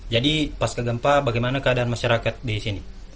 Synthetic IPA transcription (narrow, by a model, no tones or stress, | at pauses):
d͡ʒadipaskaɡampabaɡajmanakəadaanmaʃaɾakat̪̚disini